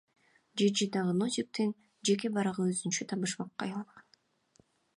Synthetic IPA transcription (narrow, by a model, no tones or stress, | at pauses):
d͡ʒed͡ʒid̪ɑʁɯnozʲik̚t̪in | d͡ʒe̞k̬ebɑɾɑʁɯøzynt͡ʃøt̪ʰɑβɯʃmɑqːɑ̰jɑlˠɑlʁɑn